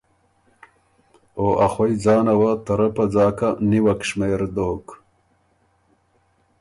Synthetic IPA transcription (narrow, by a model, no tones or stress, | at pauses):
oːʔaχwojd͡zɑːnɐwat̪ɐɾɐpɐd͡zɑːkaniwɐkʂmeːɾd̪oːk